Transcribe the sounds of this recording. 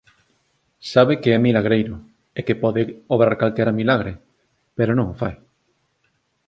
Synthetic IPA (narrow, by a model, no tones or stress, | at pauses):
saβekeɛmilaɣ̞ɾejɾo | ekepɔðeoβɾaɾkalt̪eɾamilaɣ̞ɾe | peɾonõŋofa̰j